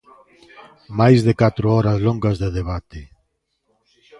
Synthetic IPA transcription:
majzðekat̪ɾʊɔɾɐsloŋɡɐzðeðeβat̪ɪ

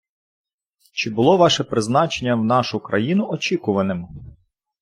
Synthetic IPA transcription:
t͡ʃɪbʊlˠɔʋɑʃɛpɾɪznɑt͡ʃenʲːɐwnɑʃʊkɾɐ̰jinʊɔt͡ʃikʊʋɐnɪmʊ

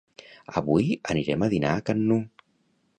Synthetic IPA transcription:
əβujəniɾɛməðinaːkənːu

